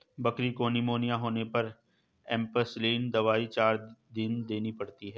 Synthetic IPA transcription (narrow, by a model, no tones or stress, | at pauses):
bɐkɾikonɪmoːnijãɦoːnepɐɾ | ɛ̃ːmpəsliːnd̪ɐʋaːit͡ʃaːɾd̪ɪnd̪eːnipɐɽt̪iɦɛː